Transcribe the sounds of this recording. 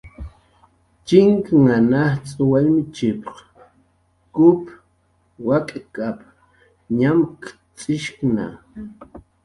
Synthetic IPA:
t͡ʃɪŋkŋanaht͡sʼʊwalmɪt͡ʃɪpq | kʊp | wakʼkʼap | ɲamk | t͡sʼɪʃkna̰

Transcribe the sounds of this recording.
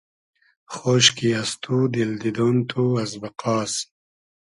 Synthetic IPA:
χoːɕkiast̪ʰud̪ild̪id̪oːnt̪ʰuɐzbɐqɑːs

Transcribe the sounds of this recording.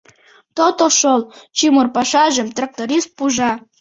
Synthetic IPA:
t̪ot̪oʃolt͡ɕimorpɑʃɑʒə̆mt̪rak̚t̪oɾist̪̚puʒɑ

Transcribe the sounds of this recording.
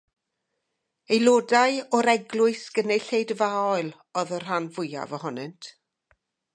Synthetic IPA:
ejlˠoːdaɨɔɾɛɡlˠʊɨsɡ̥ənejɬejdvaːɔɨlˠ | ɔðər̥ɦanvʊja̰vɔhɔnɨntʰ

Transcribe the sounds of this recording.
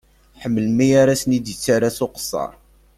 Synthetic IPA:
ħəmːəlmijaɾasnid̪jət͡sːaɾasoqə̥sˤːɑ̰ɾˤ

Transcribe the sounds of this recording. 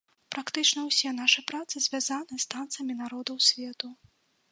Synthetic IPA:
pɾakt̪ɨt͡ʂnɐwsʲɛn̪aʂɨpɾat̪sɨzʲvʲazanɨst̪ant̪sɨjɐmʲinaɾɔd̪ɐwsʲvʲɛt̪u

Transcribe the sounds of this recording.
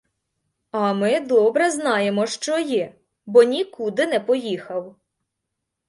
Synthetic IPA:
ɐmɪd̪ɔbɾɛznɑjemɔʃt͡ʃɔjɛ | bɔnʲikud̪ɪnɛpɔjixɐw

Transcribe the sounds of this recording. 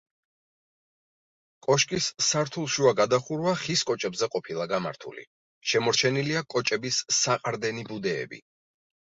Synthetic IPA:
kʼɔʃkʼisːaɾt̪ʰulˠʃuaɡad̪aχuɾvaχiskʼɔt͡ʃʼɛbzɛqʼɔpʰilˠaɡama̰ɾt̪ʰṵlḭ | ʃɛmɔɾt͡ʃʰɛniliakʼɔt͡ʃʼɛbisːaqʼaɾd̪ɛnibud̪ɛ̰ːbḭ

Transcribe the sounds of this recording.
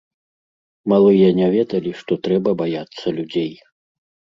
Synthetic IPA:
malˠɨjɐnʲavʲɛd̪ɐlʲiʂt̪ɔt̪ɾɛbɐbajat̪sːɐlʲud͡zʲej

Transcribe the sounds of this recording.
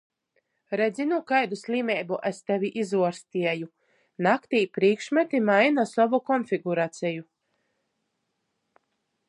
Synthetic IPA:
ɾɛd̪zʲinukajd̪uslʲiːmɛjbuʔɛst̪ɛviʔizuɔɾst̪iɛju | nakt̪iːpɾiːkʃmat̪imajnasɔvukɔnfʲiɡuɾat̪sɛju

